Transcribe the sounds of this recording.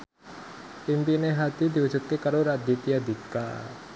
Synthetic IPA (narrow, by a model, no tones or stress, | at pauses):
ʔimpineɦad̪id̪i̤wu̥d͡ʒṳt̪̚kekaɾoɾad̪it̪ijad̪ika̰